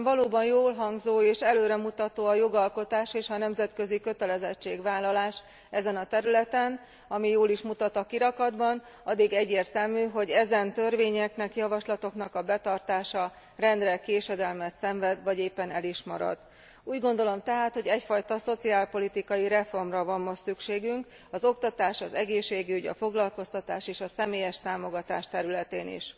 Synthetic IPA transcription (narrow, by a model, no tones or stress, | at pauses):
vɒloːbɒnjoːlɦɒŋɡzoːeːʃɛløːɾɛmut̪ɒt̪oːɒjo̞ɡɒlko̞t̪aːʃeːʃɒnɛmzɛt̪kø̞zikø̞t̪ɛlɛzɛt͡ʃːeːɡʋaːlːɒlaːʃ | ɛzɛnɒt̪ɛɾylɛt̪ɛn | ɒmijoːliʃmut̪ɒt̪ɒkiɾɒkɒd̪bɒn | ɒd̪ːiɡɛɟːeːrt̪ɛlmyːɦo̞ɟɛzɛnt̪ørveːɲɛknɛkjɒvɒʃlɒt̪o̞knɒkɒbɛt̪ɒrt̪aːʃɒ | rɛnd̪rɛkeːʃɛd̪ɛlmɛt̪sɛɱvɛd̪vɒɟeːpːɛnɛliʃmɒɾɒ̰d̪ | uːɟɡo̞nd̪o̞lo̞mt̪ɛɦaːt̪ho̞ɟɛcfɒjt̪ɒso̞t̪siaːlpo̞lit̪ikɒjiɾɛfo̞rmrɒvɒmːossykʃeːɡyŋk | ɒzo̞kt̪ɒt̪aːʃɒzɛɡeːʃːeːɡiyɟɒ̰fo̞ɡlɒlko̞st̪ɒt̪aːʃeːʃɒsɛmeːjɛʃt̪aːmo̞ɡɒt̪aːʃt̪ɛɾylɛt̪eːnḭʃ